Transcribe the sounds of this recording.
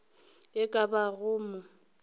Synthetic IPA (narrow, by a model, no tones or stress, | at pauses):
ɪkʼabaɣʊːmʊ